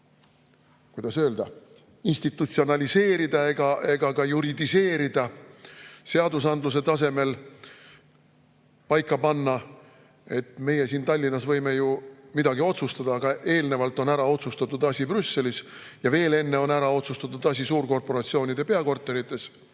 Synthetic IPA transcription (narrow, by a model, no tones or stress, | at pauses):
kujd̪̥ɑsø̞ːld̪̥ɑ | inst̪it̪ːˑut̪sio̞nɑlʲise̞ːɾid̪̥ɑe̞ɡ̥ɑʔe̞ɡ̥ɑɡɑjuɾid̪ise̞ːɾid̪̥ɑ | se̞ɑd̪us̬ɑnd̪lus̬e̞t̪ɑse̞me̞l | pɑjkːɑpɑnːɑ | e̞t̪me̞je̞siːnt̪ɑlʲːinːɑsvɤjme̞jumid̪ɑɡio̞t̪sust̪ɑd̪̥ɑːɡ̥ɑʔe̞ːlnevɑlt̪ːˑo̞næɾɑo̞t̪sust̪ɑt̪ːud̪̥ɑsʲibrysːe̞lisjɑve̞ːle̞nːe̞o̞næɾɑo̞t̪sust̪ɑt̪ːud̪̥ɑs̬ʲisuːrko̞rpo̞ɾɑt̪sio̞ːnid̪̥e̞pe̞ɑko̞rt̪ˑːe̞ɾit̪ːˑe̞s